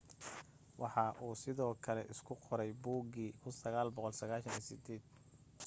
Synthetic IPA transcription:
wɑħɑʔuːsɪðɔːkʰɐlɛ̰ʔɪskʰʊqʰɔɾɛjbuːɡiːkʰʊnsɐɣaːlbɔqɔlsɐɣaːʃɐnḭːsɪd̪ɛːd̪̥

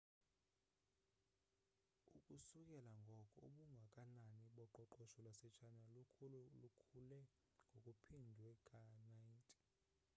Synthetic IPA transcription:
ukʼusukʼɛlaŋɡʱɔkʼɔoɓuŋɡʱakʼananiɓɔǃɔǃɔʃɔlwasɛt͡ʃʰanallukʰulɛ | ŋɡʱokʼupʰindʱuɛkʰʼanantʼi̥

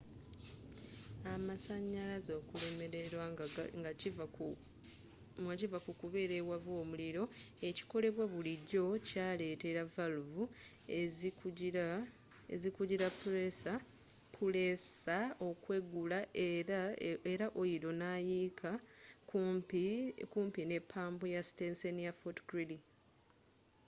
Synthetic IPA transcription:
amasaɲːalazo̞ːkule̞me̞ɾe̞ɾwaŋɡa | ɡacivakukuβe̞ːɾe̞βwaβo̞ːmuliɾo̞e̞ci̥ko̞le̞βwaβuliɟo̞caːle̞ːte̞ɾavaluvu | ezikuɟiɾapːulesa | pʰulesao̞kwe̞ɡulaʔeɾaeɾaʔojiɾo̞naːjiːkʰa | pkuːmpine̞pʰːaːmbojastenseniafotɡɾili

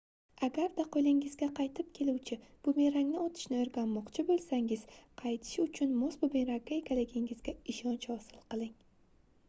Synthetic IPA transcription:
aɡʲaɾd̪aqʰojlɪŋɪzɡʲaqʰɑjt̪ʰɪp̚kʲʰe̞luwt͡ʃʰɪb̥ʊme̞ɾaŋnɪot̪ʰɪ̥ʃnɪoɾɡʲanmɒqt͡ʃʰɪbolˠsaŋɪz̥qʰɑjt̪ʰɪ̥ʃɪʊt͡ʃʰʊnmosbʊbenɾakʲːaekʲʰalɪɡʲɪŋɪzɡʲaɪʃɒnt͡ʃhɒsɪlˠqɨlˠɪŋ

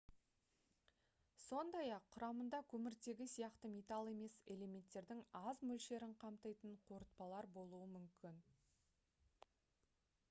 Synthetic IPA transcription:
so̞nd̪ɑjɑqʰːʊɾɑmənd̪ɑkʲʰɵmɪɾt̪e̞ɡʲɪsijɑqt̪əmet̪ɑlˠe̞me̞se̞le̞me̞nt̪ːe̞ɾd̪ɪŋɑzmɵlʃe̞ɾɪɴqʰɑmt̪əjt̪əɴqʰoɾət̪̚pɑlˠɑɾbo̞lˠuəmʏmkʲɪn

